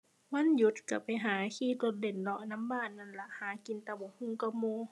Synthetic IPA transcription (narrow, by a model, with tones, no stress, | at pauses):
wa˧˥˨nju˧˦t̪̚ka˧˩pa˨jɦaː˨˦kʰiː˧˩lo˧˦t̪̚de˨˩nlɔ˧na˧˥˨mbaː˧˥˨nːa˧˩˨nla˧˩ʔhaː˨˦ki˨nt̪a˧˩bɔ˨˦hu˧˥˨ŋka˧˩moː˧˨